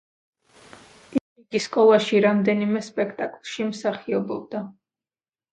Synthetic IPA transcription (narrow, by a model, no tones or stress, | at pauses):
i | iɡiskʼɔlˠaʃiɾamd̪ɛnimɛspʼɛkʰt̪ʼakʼlˠʃimsaχiɔbɔb̚d̪a